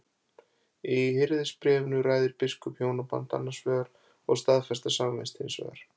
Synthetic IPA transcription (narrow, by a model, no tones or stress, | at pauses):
ihɪɾðɪspɾɛːvʏnʏraːjðɪɾpɪskʏpʰhjoːwnapa̰nt̪a̰nːaɾ̥svœːɣaɾ | ɔɣst̪aðfɛst̪asaːmamɛ̰nst̪hɪnsvɛ̰ːɣa̰ɾ̥